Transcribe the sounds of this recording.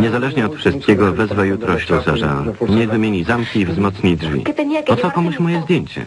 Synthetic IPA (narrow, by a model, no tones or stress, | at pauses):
ɲɛzalɛʐɲɛɔt̪fʂɨst̪̚kʲɛɡɔvɛzvajut̪ɾɔɕt͡ɕɔzaʐɛ̰waɲɛvɘmʲjeɲizamkʲiːvzmɔt̪sɲidʐvʲḭɔt̪ɔkɔmuɕmɔjɛzd̪ʲjeɲt͡ɕɛ̰